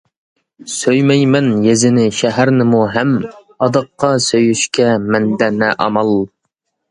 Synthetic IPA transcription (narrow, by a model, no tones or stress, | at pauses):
søjmɛjmɛnjezɪnɪʃɛɦæɾnɪmuɦɛm | ɑd̪ɑqːɑsøjyʃkʲɛmɛnd̪ɛnɛʔɑ̰mɑlˠ